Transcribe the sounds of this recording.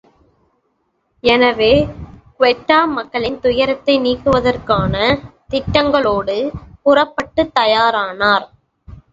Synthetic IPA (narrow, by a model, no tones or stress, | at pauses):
ɛnɐʋeːkʋɛʈːaːmɐkːɐɭɪnt̪ʊjɐɾɐt̪ːɐɪniːkːɯʋɐðɐrkaːnɐt̪ɪʈːɐŋɡɐɭoːɽɯpʊrɐpːɐʈːɯt̪ːɐjaːɾaːnaːɾ